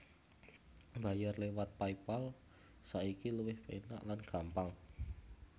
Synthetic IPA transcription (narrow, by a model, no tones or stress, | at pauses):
ba̤jarlewat̪̚paipal | saikiluwɪhpena̰ʔlanɡ̥a̤mpaŋ